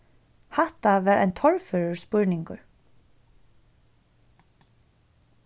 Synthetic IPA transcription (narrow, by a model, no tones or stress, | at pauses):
hɛht̪aʋɛːɾa̰jnt̪ʰɔɹfœɹʊɹspʊɹnɪŋkʊ̰ɹ